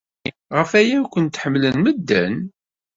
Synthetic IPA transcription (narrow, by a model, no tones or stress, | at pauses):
ʁəfæjækʷənt̪ħəmːlənməd̪ːæ̰n